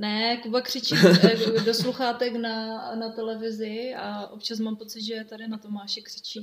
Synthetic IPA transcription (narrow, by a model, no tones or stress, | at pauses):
nɛkubakr̥ɪt͡ʃikdosluxaːt̪ɛknanat̪ɛlɛvɪzɪaʔo̞pt͡ʃas̬maːmpo̞t͡sɪd̪ʒɛt̪adɪnat̪o̞maːʃɛkr̥ɪ̥t͡ʃi